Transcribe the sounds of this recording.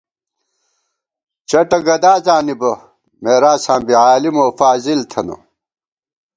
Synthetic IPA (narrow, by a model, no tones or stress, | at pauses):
t͡ɕɐʈɐɡɐd̪aːzaːnibɐ | meːɾaːsãːmbiaːlimoːfaːzilt̪ʰɐno̰